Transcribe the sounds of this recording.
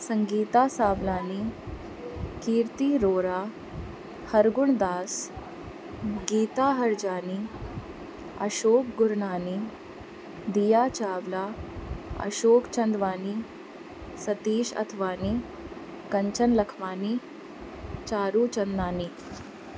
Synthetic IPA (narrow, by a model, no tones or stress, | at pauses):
səŋɡiːt̪asaːʋlaːniː | kiːɾt̪iːɾoːɾa | həɾɡuɳd̪aːs | ɡiːt̪aɦɐɾd͡ʑaːniː | ɐ̰ɕoːkɡuɾɳaːniː | d̪ijaːt͡ɕaːʋla | ɐ̰ɕoːkt͡ɕɐnd̪ʋaːniː | sɐt̪iːɕɐ̰t̪ʰʋaːniː | kɐɲt͡ɕənlɐkʰʋaːniː | t͡ɕaːɾuːt͡ɕɐnd̪aːniː